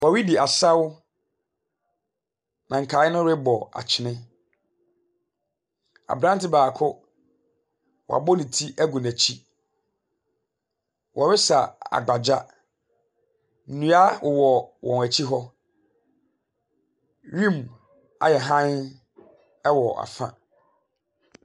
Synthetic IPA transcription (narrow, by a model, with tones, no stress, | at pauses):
wɔ˨ɥi˦di˨a˨sa˦w | nã˨ŋ̩˨kʰaː˨˦ɪ˦nʊ̃˦ɾɪ˦bɔ˨a̰˨t͡ɕʰɪ˨nɪ̃˦ | a̰˨bɾã˦n˦tɪ˦baː˨kʰʊ˦ | wɔ˨a̰˨bɔ˦nɪ̃˨tʰi˦ʔæ˦ɡu˨næ˨t͡ɕʰi˦ | wʔɔ˨ɾɪ˦sa˨a̰˨ɡ͡ba˨d͡ʑa˦ | n̩˨nũ˦a˦wʊ˨wɔ˨wʔɔ̰̃˨n˨æ˨t͡ɕʰi˦ɦɔ˦ | ɥĩ˦m | a̰˨jɛ˨ɦã˦n | ɛ˦wɔ˨a̰˨fã̰˦